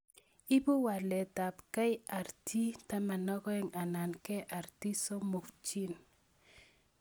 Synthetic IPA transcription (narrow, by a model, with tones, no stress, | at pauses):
i˦bu˦wa˨lɛ˨ta˨pka˦ja˨ɾtʰi˦ta˦ma˨nɔ˦kɔ˦ɛ˦ŋa˨na˨nkɛ˦ʔa˨ɾti˦so˦mo˨kt͡ʃi˦n